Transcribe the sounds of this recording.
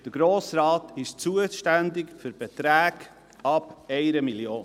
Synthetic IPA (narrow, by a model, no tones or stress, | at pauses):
d̥əɡ̥ɾoːsɾɑːtʰɪʃt͡suəʃtændɪkfʏɾb̥ɛt̪ɾæːɡ | ɑb̥ɛɪɾəmiljoːn